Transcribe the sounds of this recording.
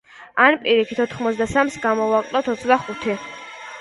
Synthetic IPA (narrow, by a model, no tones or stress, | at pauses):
anpʼiɾikʰi̥t̪ʰɔt̪ʰχmɔt̪sʰd̪asamsɡamɔvakʼlˠɔt̪ʰɔt̪sʰd̪aχut̪ʰi